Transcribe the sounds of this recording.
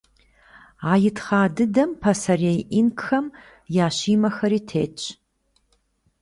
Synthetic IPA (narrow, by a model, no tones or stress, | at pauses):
aːjɪtχaːdɨdɐmpʰɐsɐrejʔinkxɐm | jaːɕiːmɐxɐɾiːtʰeːt͡ʃʼ